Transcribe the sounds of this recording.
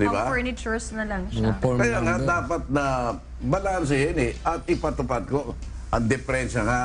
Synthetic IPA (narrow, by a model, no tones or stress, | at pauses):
d̪ɪbanɪt͡ʃuɹsnɐlɐŋkɐjaŋaʔd̪aːpɐt̪̚nɐ | bɐlaʔɐns̬ɐjɛnɪʔɐt̪̚ɪpɐt̪ʊpad̪̚ko | ʔɐŋd̪ɪfɛɾɛnʃɐŋaʔ